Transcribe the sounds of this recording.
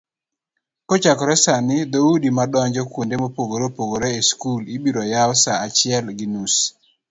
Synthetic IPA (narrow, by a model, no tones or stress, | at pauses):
kɔt͡ʃakɔɾɛsanɪd̪audimadɔɲd͡ʒɔkwondemopoɡoɾopoɡoɾeeskulibiɾɔjawsaat͡ʃɪɛlɡinus